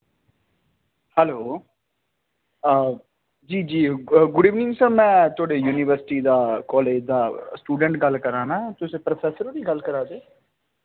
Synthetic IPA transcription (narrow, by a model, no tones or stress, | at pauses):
hɛːloː | d͡ʒiːd͡ʒiːɡʊɽiːʋnɪ̃ŋɡsɛːbmɛ̃ːt̪ʰʊaːɽeːjuːniʋəɾsɪʈiːd̪aːkɔːleːd͡ʒd̪aːsʈuːɖəɳʈɡəlkəɾãːnaːt̪ʊsẽːpɾopʰɛːsəɾd̪iːɡəlkəɾaːd̪eː